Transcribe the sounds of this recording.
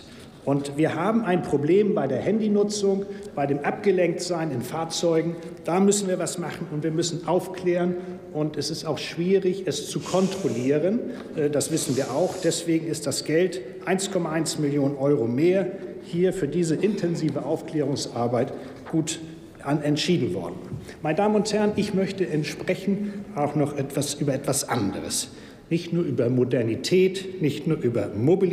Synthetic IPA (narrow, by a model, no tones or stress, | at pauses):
ʔʊntv̥iːɐɦaːbm̩aɪnpʁ̥obleːmbaɪdeːɐhɛndinʊt͡sʊŋb̥aɪdeːmʔap̚ɡ̥əlɛŋk̚tz̥aɪnɪnfaːɐt͡sɔʏɡŋ̩ | d̥aːmʏsn̩viːɐvasmaχn̩ʊntv̥iːɐmʏsn̩ʔaʊfkl̥eːʁən | ʔʊntɛsɪstaʊxʃv̥iːʁɪçɛst͡sukʰɔntʁ̥oliːʁən | dasv̥ɪsn̩viːɐʔaʊxd̥ɛsv̥eːɡŋ̩ɪst̚d̥asɡ̥ɛlt | ʔaɪnskʰɔmaaɪnsmɪljoːnənʔɔʏʁomeːɐ | hiːɐfyːɐdiːzəʔɪntʰɛnziːvəʔaʊfklɛːʁ̞ʊŋsʔaɐbaɪt | ɡ̥uːt | ʔanɛntʃiːdn̩vɔ̰ɐdn̩ | maɪnədaːmənʊnthɛɐnʔɪçmœçtəʔɛntʃpʁ̥ɛçn̩taʊxnɔχʔɛtv̥asʔyːbɐɛtv̥asʔandəʁə̰s | nɪçtnuːɐʔyːbɐmodɛɐnitʰɛːtnɪçtnuːɐʔyːbɐmobi